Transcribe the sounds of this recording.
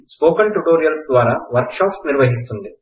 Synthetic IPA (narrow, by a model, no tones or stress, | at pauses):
spoːkɐɳʈuʈoːɾijɐlsd̪ʋaːɾaːʋɐɾkʃaːpsniɾʋɐɦis̬t̪und̪i